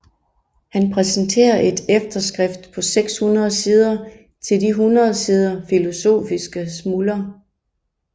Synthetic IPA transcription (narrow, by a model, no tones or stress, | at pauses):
hænpʰʁɛsnt͡sʰe̝̰ːɐʔe̝d̥efd̥ɐsɡ̥ʁɛfd̥pʰɒ̽seɡ̥shunʁɐð̞̩ˠsiːð̞ˠɐ | t͡sʰe̝ldiɦunʁɐð̩ˠsiːð̞ˠɐfilo̝so̝̰ːfisɡ̥əsmulɐ